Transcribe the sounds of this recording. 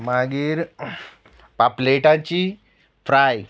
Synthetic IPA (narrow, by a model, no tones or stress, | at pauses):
maɡiːɾ | papleʈãt͡ɕi | fɾaj